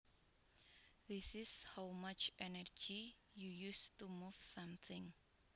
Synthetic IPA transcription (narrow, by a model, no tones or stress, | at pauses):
ðisɪshawmat͡ʃʔɛnərd͡ʒi | jujustumufsãmθʰɪ̃ŋ